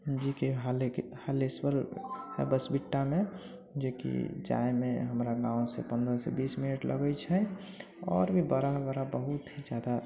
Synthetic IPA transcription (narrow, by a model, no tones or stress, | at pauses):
d͡ʒikeɦalekhalesbəlɦɛbəsbiʈːame | d͡ʒekḭd͡ʒa̰emḛɦəmɾaɡãũsḛpənd̪ɾəsɛ̰bisminəʈlʔə̰ɡət͡ʃʰɛ | ɔːɾbʱibəɾaɦbəɾabəɦut̪ɦid͡ʒjad̪a